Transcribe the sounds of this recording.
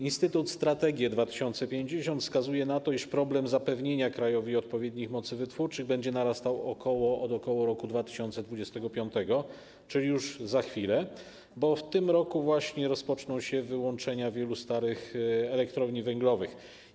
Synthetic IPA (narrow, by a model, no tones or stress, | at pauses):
inst̪ɘt̪ut̪st̪ɾat̪ɛɡʲjɛd̪vat̪ɘ̥ɕɔnt̪sɛpʲjeɲd͡ʑeɕɔnt̪skazujɛnat̪ɔiʂpɾɔblɛmzapɛvɲeɲakɾajɔvʲiɔt̪̚pɔvʲjed̪ɲixmɔt̪sɘvɘt̪fuɾt͡ʂɘɣbɛɲd͡ʑɛnaɾast̪awɔkɔwɔɔd̪ɔkɔwɔɾɔkud̪vat̪ɘ̥ɕɔnt̪sɛd̪vud͡ʑɛst̪ɛɡɔpʲjɔnt̪ɛɡɔ | t͡ʂɘlʲijuʐzaxfʲilɛ | bɔft̪ɘmɾɔkuvwaɕɲɛɾɔspɔt͡ʂnɔ̃w̃ɕɛvɘwɔnt͡ʂɛɲavʲjɛlust̪aɾɘxɛlɛkt̪ɾɔvɲivɛŋɡlɔvɘx